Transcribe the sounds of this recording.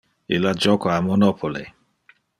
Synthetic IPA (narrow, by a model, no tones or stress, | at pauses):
ilad͡ʒɔkoamɔnɔpʰolḛ